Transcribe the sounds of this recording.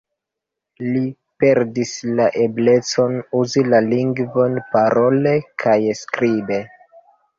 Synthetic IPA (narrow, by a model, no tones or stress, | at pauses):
li | pe̞ɾdislaʔe̞ble̞t͡so̞nuzilaliŋɡvo̞npaɾo̞le̞kʰajskɾibe̞